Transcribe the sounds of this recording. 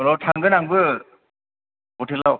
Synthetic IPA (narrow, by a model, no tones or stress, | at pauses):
ɾɔtʰaŋɡɯnaŋbɯ | ɔtelːaw